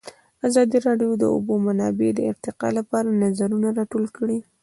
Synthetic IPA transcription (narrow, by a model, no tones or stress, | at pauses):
azɑd̪iɾɑɖjod̪əʊ̰bomanɑbed̪əɪɾt̪ɪqɑ̰lapɑɾanazaɾunaɾɑʈolkəɽi